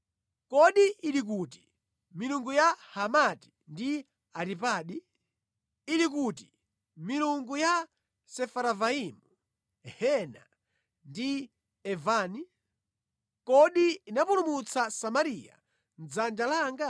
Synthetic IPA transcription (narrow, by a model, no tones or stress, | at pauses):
kɔɗiiɾik̬uːti̥ | miluŋɡujahamati̥ | ndi | aɾipaːɗi | ɾik̬uːti̥ | miluŋɡuja | sɛfaɾavaiːmu | hɛna̰ | ndi | ɛvaːni | kɔɗiːnapulumut͡sʰasamaɾija̰ | nd͡zand͡ʒalaːŋɡa